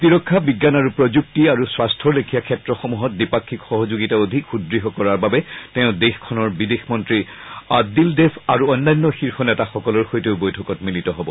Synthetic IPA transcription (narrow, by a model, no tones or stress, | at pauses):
tiɹɔkʰːabiɡːanaɹupɹod͡ʒuk̚tiaɹuswastʰɔɹlekʰijakʰɛtɹɔxɔmuɦɔt̚dipakʰːikxɔɦɔzuɡitaod̪ʱikxudɹiɦɔkɔɹaɹbabɛtɛʊ̃dexkʰɔnɔɹbidexmɔntɹiadildefʰaɹuɔjnːajnːɔxiɹxɔnɛtaxɔkɔlɔɹxojteʊbojtʰɔkɔtmilitɔɦɔbɔ